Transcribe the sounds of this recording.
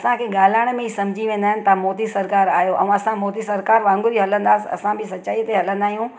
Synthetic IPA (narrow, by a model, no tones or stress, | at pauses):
ɐsãkʰeːɡaːl̤aːɪɽ̃mẽɦisɐ̃md͡ʑʱiʋẽːn̆d̪aːɦɪnɪ̆t̪ɐamɔːt̪isɐɾkaːɾaːɦijoʔɛ̰̃ɐsãmɔːt̪isɐɾkaːɾʋãːŋɡʊɾiɦɐlə̃nd̪aːsɪɐ̰sãbɪsɐtːt͡ɕaːit̪eɦɐlə̃nd̪aːɦijũː